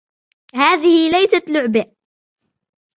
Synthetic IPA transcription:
haːðɪhɪlajsat̪lʊʕba

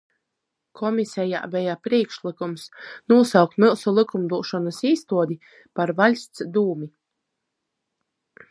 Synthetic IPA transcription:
kʰɔmisɛja̰ːvɛjapɾiɛkʃlˠikumsnuɔsawkt̪milˠsulˠikumd̪uɔʃɔnasiːst̪uɔd̪ʲi | paɾvalʲst̪sd̪uːmi

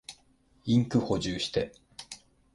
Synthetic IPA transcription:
ĩŋkɯ̟ho̞ʑɨːɕi̥t̪e̞

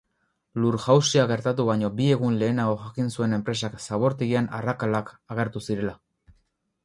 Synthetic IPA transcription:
luɾʝawsiaɣe̞ɾt̪at̪uβaɲo̞bie̞ɣ̞unle̞ːnaɣo̞xakinsue̞ne̞mpɾe̞saksaβ̞o̞ɾt̪iɣianarakalakaɣ̞e̞ɾt̪usiɾe̞la

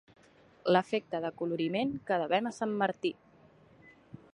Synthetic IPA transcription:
ləfek̚t̪əðəkuluɾimeŋkəðəβɛməsamːəɾt̪i

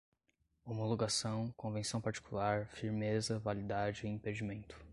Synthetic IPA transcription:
omoloɡasɐ̃w̃kõvẽsɐ̃w̃paɾt͡ʃi̥kulaɾfiɾmezɐvalid̪ad͡ʒɪĩped͡ʒimẽnt̪ʊ̥

